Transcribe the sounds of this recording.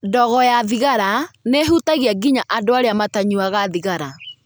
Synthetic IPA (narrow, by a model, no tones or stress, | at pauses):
dɔɣɔjaðiɣaɾaneɦutaɣiaɡiɲaʔadoaɾeamataɲuaɣaðiɣaɾa